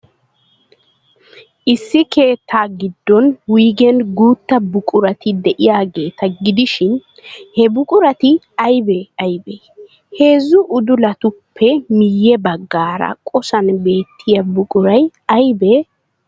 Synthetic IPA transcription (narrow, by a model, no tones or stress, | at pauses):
ʔɪsːɪke̞ːt̪ːaːɡɪd̪ːɔnwiːɡɛnɡuːt̪ːɐbʊkʼʊɾɐt̪ɪd̪ɛʔɪjaːɡe̞ːt̪ɐɡɪd̪ɪʃɪn | hɛbʊkʼʊɾɐt̪ɪ | ɐjbɛɐjbɛ | he̞ːzːʊʔʊd̪ʊlɐt̪ʊpʰːɛmɪjːɛbɐɡːaːɾɐ̰kʼɔsɐnbe̞ːt̪ʰːɪjɐbʊkʼʊɾɐjɐjbɛ